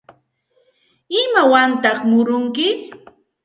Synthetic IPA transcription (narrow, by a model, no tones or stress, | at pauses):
ɪmawant̪ɑχmʊɾʊŋkɪ